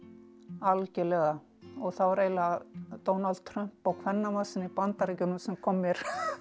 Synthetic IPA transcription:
alcɛlɛɣa | ɔɣθawvaɾeːjlat̪ownald̪̥̚t̪ʰɾœm̥pawkʰvɛnːamasɪnːipant̪aɾɛcʏnʏmsɛmkʰɔmːɪɾ̥

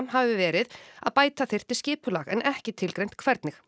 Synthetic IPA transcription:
mhavɪvɪvɛːɾɪða̰ðpaːjt̪aθɪjr̥t̪ɪscɪːpʏlaɣɛ̰nʔɛhcɪt̪ʰɪlkɾejn̥t̪̚kʰvɛɾt̪nɪx

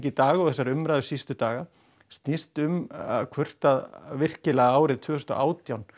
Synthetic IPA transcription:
cɪt̪aːɣaɔɣθɛsːaɾʏmɾajðʏsist̪ʏt̪aːɣa | st̪nist̪ʏmkʰvʏr̥t̪aðvɪr̥cɪlaɣaaːwɾɪðt̪ʰvʏːhʏ̥st̪ɔ̰ʔaːwt̪jawn

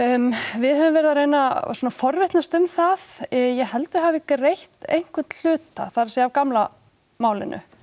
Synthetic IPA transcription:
vɪðhœvʏmvɛːɾɪðaɾejnasoːnafɔɾvɪht̪nast̪ʏmθaðjɛɣɦɛlt̪ʏɦavɪkrejht̪ḛjŋ̥kvʏt̪l̥ʏːt̪a̰θaɾasɛavkamla | maːwlɪ̰nʔʏ̰

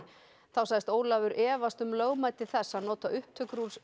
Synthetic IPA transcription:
θawsajðɪst̪oːwlavʏɾʔɛːvast̪ʏmlœɣmaːjt̪ɪθɛsːaðnɔːt̪aʔʏhp̚t̪ʰœkɾuls

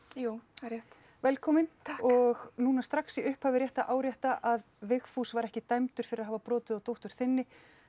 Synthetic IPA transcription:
juːaɾjɛht̪ | vɛlkʰɔːmɪnɔɣnuːnast̪ɾaksiʏhphaːvɪɾjɛht̪aʔaːwɾjɛht̪aʔaðvɪxfusvaɾɛhcɪt̪ajmt̪ʏɾ̥fɪɾɪɾaðɦaːvapɾɔːt̪ɪðɔt̪owht̪ʏɾ̥θɪnːɪ

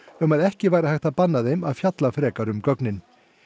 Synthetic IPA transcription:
œmaðɛhcɪvaːjɾahajxt̪apanːaðejmaðfjat̪lafɾɛːkaɾʏmkœknɪn

